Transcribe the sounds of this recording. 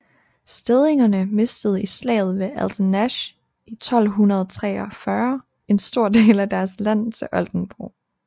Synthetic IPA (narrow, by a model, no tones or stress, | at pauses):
sd̥eð̞ˠe̝ŋɐnəme̝sd̥əð̩ˠislɛ̰ːð̞ˠʋe̝æld̥næɕ | it͡sʰɒ̽l̰ɦunɐð̞̩ˠt͡sʰʁɛ̰ːɒfɶːɐ | e̝nsd̥o̝ɐ̰d̥e̝̰ːlæd̥æɐslæn̰t͡sʰe̝ʔɒld̥n̩b̥ʁo̰